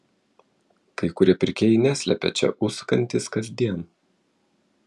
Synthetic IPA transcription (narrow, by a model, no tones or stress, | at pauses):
kɐɪkʊɾʲiɛpʲɪɾʲkʲeːjɪnʲæːsʲlʲɛ̰pʲɛ̰t͡ʃʲɛ̰ʔʊskɐnʲt̪ʲɪskɐzʲd̪ʲiɛn